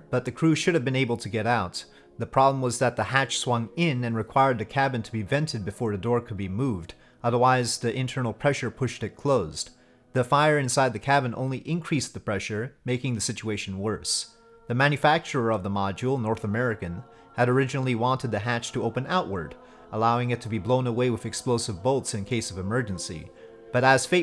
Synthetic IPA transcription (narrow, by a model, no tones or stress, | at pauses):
b̥ʌt̪̚ðɨkʰɹ̥ʉʃʊɾɨvbɨ̃neɪbl̩ˠtʰɨɡɛɾaʊt̪̚ | ðɨpʰɹ̥ɑblə̃m̩wʌzðɨt̪̚ðɨhæt͡ʃswʌ̃ŋɪ̃nɨ̃nɹɨkʰw̥aɪə˞d̪̚ðɨkʰæbɨ̃ntʰəbivɛ̃ntʰɨd̚bɨfɔɹðɨdɔɹkʰɨd̚bimuvd | ʌðə˞waɪzðiʔɨ̃ntʰɜ̃˞nl̩ˠpʰɹ̥ɛʃə˞pʰʊʃtɨt̚kʰl̥oʊz̥ | ðɨfaɪə˞ɨ̃nsaɪd̪̚ðɨkʰæbɨ̃nõ̰ʊ̃nliʔɨ̃nkʰɹ̥isðɨpʰɹ̥ɛʃə˞meɪkɪ̃ŋðɨsɪt͡ʃueɪʃn̩wɜ˞s | ðɨmæ̃njɨfæk̚t͡ʃə˞ə˞ʌvðəmɑd͡ʒul̩ˠnɔɹθəmɛɹɨkɨ̃n | ɨɾə˞ɪd͡ʒɨnl̩ˠiwɑ̃ntɨd̪̚ðɨɦæt͡ʃtʰəoʊpɨ̃naʊʔ̚wʔə̰˞ɾ | ʔəlaʊɪ̃ŋɨtʰɨbiblõʊ̃nəweɪwɨðɨksploʊsɨvboʊlˠtsɨ̃nkʰeɪsʌvɨmɜ˞d͡ʒɨ̃nsḭ | b̥ʌɾəz̥feɪ